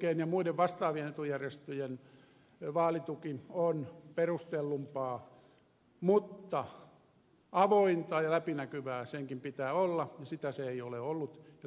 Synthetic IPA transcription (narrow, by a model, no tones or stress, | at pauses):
keːnjɑmuideʋʋɑst̪ɑːʋienet̪ujærjest̪øjen | ʋɑːlit̪ukionperust̪elːumpɑː | mut̪ːɑ | ɑʋoint̪ɑːjɑlæpinækyʋæːseŋkimpit̪æːolːɑjɑsit̪æseeioleolːut̪jɑ